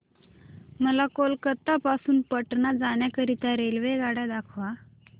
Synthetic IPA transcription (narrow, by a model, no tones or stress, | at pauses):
məlakolkət̪ːapasuːnpəʈnad͡zaɳjakəɾit̪aɾelʋeɡaɽad̪akʰʋa